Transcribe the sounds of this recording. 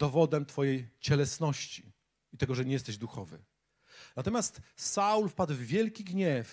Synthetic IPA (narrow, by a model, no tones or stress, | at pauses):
d̪ɔvɔd̪ɛmt̪fɔjejt͡ɕɛlɛsnɔɕt͡ɕi | it̪ɛɡɔʐɛɲɛjɛst̪ɛʑd̪uxɔvɘ̰ | nat̪ɔmʲjast̪saulfpad̪wvvʲjɛlkʲiɡɲɛf